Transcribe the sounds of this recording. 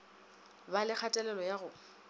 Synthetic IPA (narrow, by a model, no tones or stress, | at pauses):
balɪk͡xʰatʼɛlɛlɔjaɣʊ